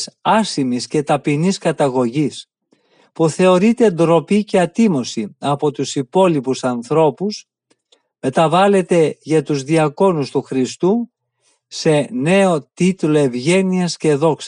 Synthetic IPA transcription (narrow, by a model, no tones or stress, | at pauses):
sɐsimisce̞t̪ɐpiniskɐt̪ɐɣo̞ʝis | puθe̞o̞ɾit̪e̞nd̪ɾo̞pice̞ɐt̪imo̞siɐpo̞t̪usipo̞lipusɐnθɾo̞pus | me̞t̪ɐvɐle̞t̪e̞ʝɐt̪uzðiɐko̞nust̪uxɾist̪uː | e̞ne̞o̞t̪it̪lo̞e̞vʝe̞niɐsce̞ðo̞ks